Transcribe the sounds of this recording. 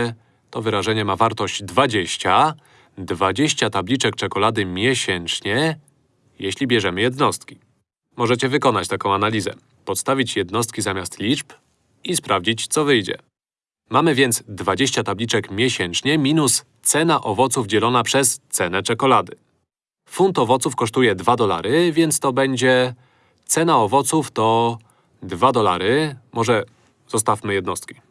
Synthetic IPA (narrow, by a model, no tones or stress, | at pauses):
t̪ɔvɘɾaʐɛɲɛmavaɾt̪ɔʑd͡ʑd̪vad͡ʑeɕt͡ɕa | d̪vad͡ʑeɕt͡ɕat̪ablʲit͡ʂɛk̚t͡ʂɛkɔlad̪ɘmʲjɛɕɛnt͡ʂɲɛ | jeɕlʲibʲjɛʐɛmɘjɛd̪nɔst̪̚kʲi̥ | mɔʐɛt͡ɕɛvɘkɔnat͡ɕt̪akɔ̃w̃analʲizɛ̰ | pɔt̪st̪avʲit͡ɕjɛd̪nɔst̪̚kʲizamʲjast̪lʲit͡ʂp | ispɾavd͡ʑit͡ɕt̪sɔvɘjd͡ʑɛ̰ | mamɘvʲjɛnd̪sd̪vad͡ʑeɕt͡ɕat̪ablʲit͡ʂɛkmʲjɛɕɛnt͡ʂɲɛmʲinust̪sɛnaʔɔvɔt̪suvd͡ʑɛlɔnapʂɛst̪sɛnɛt͡ʂɛkɔlad̪ɘ | funt̪ɔvɔt̪sufkɔʂt̪ujɛd̪vad̪ɔla̰ɾɘvʲjɛnt̪st̪ɔbɛɲd͡ʑɛ | t̪sɛnaɔvɔt̪suft̪ɔ | d̪vad̪ɔlaɾɘmɔʐɛ | z̥ɔst̪afmɘjɛd̪nɔst̪̚kʲi̥